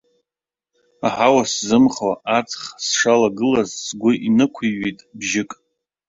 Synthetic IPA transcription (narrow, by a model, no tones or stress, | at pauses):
aħawaszɨmχaʔat͡sʰʼχsʂalaɡɨlazsɡʷʊʔinɨkʷʰiɥejtʼbʒɪkʼ